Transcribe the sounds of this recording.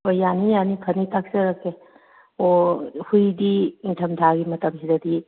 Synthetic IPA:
ojanijanikʰɐnitak̚seɾake | ohujdiiŋtʰɐmd̪ʱaɡimɐtɐmɦizɐd̪i

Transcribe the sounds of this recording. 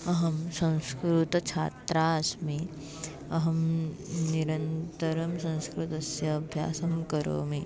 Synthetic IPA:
ɐɦɐmsɐ̃w̃skɾut̪ɐt͡ʃʰa̰ːt̪ɾaːɐsmi | ɐɦɐmniɾɐ̃nt̪ɐɾɐmsɐ̃ñskɾut̪ɐsjɐːbʱjaːsɐmkɐɾo̰ːmi

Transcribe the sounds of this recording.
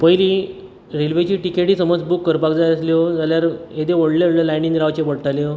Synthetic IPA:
pəjliː | ɾelʋet͡ɕiːʈikeʈiːsəməd͡zbukːəɾpakd͡zajəsliod͡zaljaɾed̪eoɽljoɽləlaɳɖiŋɾaʋt͡ɕepəɽʈalio

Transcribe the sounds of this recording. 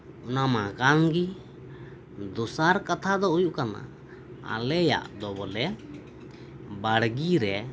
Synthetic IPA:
ʊnamakaŋɡi | d̪ɔsaɾkat̪ʰad̪ɔujuʔkana̰ | a̰lɛja̰ʔd̪ɔbɔlɛ | baɽɡiɾɛ

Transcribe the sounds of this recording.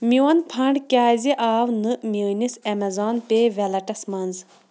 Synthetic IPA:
miwɐnpʰɐɳɖkʲaːziʔaːwnɨmjəːnisɐmɐzaːnpeːʋɐlɐʈɐsmɐnz

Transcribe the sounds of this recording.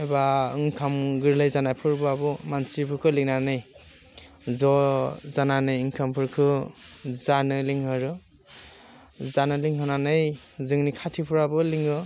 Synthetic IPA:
ebaɯŋkʰamɡɯɾlajzanajpʰɯɾbɯabɯmansipʰɯɾkʰɯliŋ̚nanɯj | zɔzananɯjɯŋkʰampʰɯɾkʰɯ | zanɯliŋhɯɾɯ | zanɯliŋɦɯnanɯjzɯŋnikʰatʰipʰɯɾabɯliŋɯ

